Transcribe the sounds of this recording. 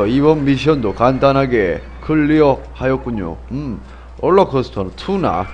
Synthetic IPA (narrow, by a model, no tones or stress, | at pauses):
ʌibʌnmiɕ̬ʰiʌndokandanɦaɡe̞ | kɯɭːiʌhajʌk̚k͈uɲo̰ɯm | ʌɭːʌkʰʌsʰtʰʌntʰuna̰